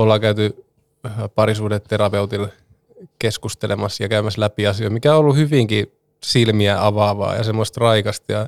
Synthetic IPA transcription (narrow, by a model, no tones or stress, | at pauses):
olːɑkæyt̪y | pɑrisuːdet̪teɾɑpeut̪il | keskust̪elḛmɑsjɑkæymæslæpiɑsioimikæoolːuhyʋiŋki | silmiæʔɑʋɑʋɑ̰ːjɑ̰semːost̪rɑikɑst̪jɑ